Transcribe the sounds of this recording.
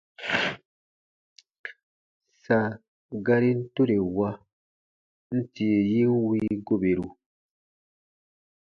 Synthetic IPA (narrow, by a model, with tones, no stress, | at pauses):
sa˨ | ɡa˦ɾi˦n̩˦to˦ɾe˨wa˦ | n̩˦ti˨e˨ji˦n˦wiː˦ɡo˦be˨ɾu˨